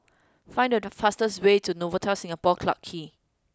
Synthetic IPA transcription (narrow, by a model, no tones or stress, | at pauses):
fãɪ̃ndəfastəswetʰunovətʰaʊsĩŋapɔkʰla̰ʔkʰːi